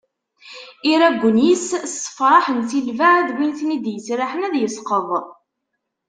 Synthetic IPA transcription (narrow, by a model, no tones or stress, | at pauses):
iɾæɡʷːənissə̥fɾˤɑħənθilvaæðwinθnid̪jəsɾaħənæðjəsqəðˤ